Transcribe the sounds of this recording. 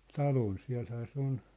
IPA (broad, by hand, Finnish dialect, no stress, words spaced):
tɑlon siæ̝lhæː se on